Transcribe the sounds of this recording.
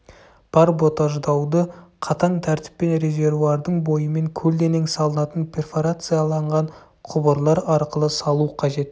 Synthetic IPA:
b̥ɑɾbo̞t̪ɑʒd̪ɑwd̪əqʰɑt̪ɑnt̪ʰæɾt̪ɪ̥pːe̞nɾe̞zʲe̞ɾvuɑɾd̪əɴbo̞jəme̞ŋkʲʰɵld̪e̞ne̞ŋsɑlˠənɑt̪ənpʰʲe̞rfoɾat̪sɨjɑlˠɑɴʁɑɴ | qʰʊbəɾlˠɑɾɑɾqəlˠəsɑlˠuqʰɑʒe̞t̪

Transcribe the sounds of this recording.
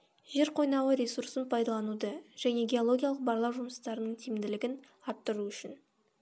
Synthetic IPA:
ʒ̥e̞ɾqʰo̞jnɑwəɾʲesuɾsənpʰɑjd̪ɑlˠɑnud̪əʒ̥æne̞ɡʲe̞o̞lˠo̞ɡʲijalˠəq̚bɑɾlˠɑwʒʊməst̪ɑɾənəɴt̪ʰimd̪ɪlɪɡʲɪn | ɑɾt̪ːəɾuʏʃɪn

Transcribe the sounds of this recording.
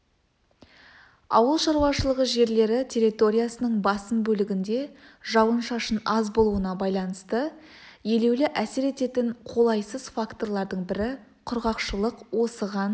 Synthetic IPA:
ɑ̰wəlˠʃɑɾwɑʃəlˠəʁəʒe̞ɾle̞ɾɪt̪ʲʰe̞ɾit̪o̞ɾʲijasənəɴbɑsəmbɵlɪɡʲɪnd̪e̞ʒɑwənʃɑʃənɑzbo̞lˠuənɑbɑjlˠɑnəst̪ə | je̞le̞wlɪʔæseɾe̞t̪e̞t̪ɪɴqʰo̞lˠɑjsəzfakt̪o̞rlˠɑɾd̪əɴbɪɾɪ | qʰʊɾʁɑqʃəlˠəqwo̞səʁɑn

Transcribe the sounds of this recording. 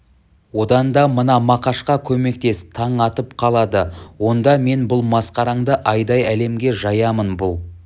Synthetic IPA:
wo̞d̪ɑnd̪ɑmənɑmɑqɑʃqɑkʲʰɵme̞k̚t̪e̞st̪ʰɑɴɑt̪əpqʰɑlˠɑd̪əwo̞nd̪ɑme̞nbʊlˠmɑsqɑɾɑɴd̪əʔɑjd̪ɑjæle̞mɡʲe̞ʒɑjɑmənbʊlˠ

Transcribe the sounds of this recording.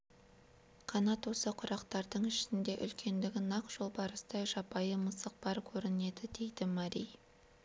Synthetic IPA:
qʰɑnɑt̪wo̞səqʰʊɾɑqt̪ɑɾd̪əɴɪʃɪnd̪e̞ʔʏ̰lkʲʰe̞nd̪ɪɡʲɪnɑqʒ̥o̞lˠbɑɾəst̪ɑjʒɑpɑjəməsəq̚bɑɾkʲʰɵɾɪne̞d̪ɪd̪e̞jd̪ɪmɑɾij

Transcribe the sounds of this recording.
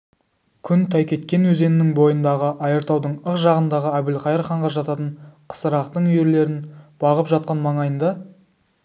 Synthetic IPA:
kʲʰʏnt̪ʰɑjkʲʰe̞t̪kʲe̞nwɵze̞nɪnɪŋbo̞jənd̪ɑʁəʔɑjəɾt̪ɑwd̪əɴəqʒɑʁənd̪ɑʁəæbɪlqɑjəɾχɑɴʁɑʒɑt̪ɑt̪əɴqʰə̥səɾɑqt̪əɴʏje̞ɾle̞ɾɪnb̥ɑʁəpʒɑt̪̚qɑnmɑɴɑjənd̪ɑ

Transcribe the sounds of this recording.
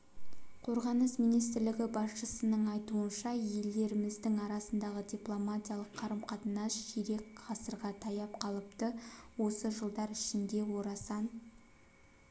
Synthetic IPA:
qʰo̞ɾʁɑnəsmijnijst̪ɪɾlɪɡʲɪbɑsʃəsənəɴɑjt̪uənʃɑje̞ld̪e̞ɾɪmɪzd̪ɪŋɑɾɑsənd̪ɑʁəd̪ʲiplˠomat̪ʲijalˠəqʰːɑɾəmqʰɑt̪ənɑsʒeɾe̞kqɑsəɾʁɑt̪ʰɑjɑp̚qʰɑlˠəpt̪əwo̞səʒəlˠd̪ɑɾɪʃɪnd̪e̞wo̞ɾɑsɑn

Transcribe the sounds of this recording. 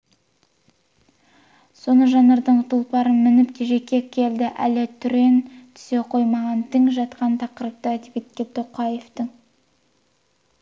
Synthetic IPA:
so̞nəʒɑnɑɾd̪əɴt̪ʰʊlˠpɑɾənmɪnɪpt̪ʰeʒe̞kʲːe̞kʲʰe̞ld̪ɪʔæ̰let̪ʰʏɾe̞nt̪ʰʏ̥se̞qʰo̞jmɑʁɑnt̪ʰɪŋʒɑt̪qɑnt̪ʰɑqəɾəp̚t̪əæd̪ebet̪̚kʲet̪ʰoqʰɑje̞ft̪əŋ

